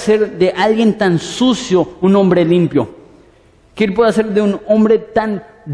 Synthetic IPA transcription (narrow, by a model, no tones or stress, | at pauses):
seɾðeʔalɡɣjent̪ansusjounõmbɾelimpjo | kelp̬weðaseɾðeunõmbɾet̪an